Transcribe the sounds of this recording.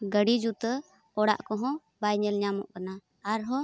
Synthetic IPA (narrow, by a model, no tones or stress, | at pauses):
ɡəɽid͡ʒut̪ə | ɔɽa̰ʔkɔɦɔ̃ | bajɲɛlɲamɔ̰ʔkanaː | ɾɦɔ̃